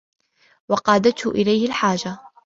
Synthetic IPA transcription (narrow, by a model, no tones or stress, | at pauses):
wɑqɑːd̪at̪hʊʔɪlajhɪlħaːd͡ʒa